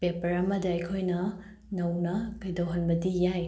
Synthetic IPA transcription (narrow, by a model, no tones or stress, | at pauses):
pepɐɾɐmɐdɐɐjkʰojnɐ | nɐwnɐkɐjdowɦɐnbɐdijaj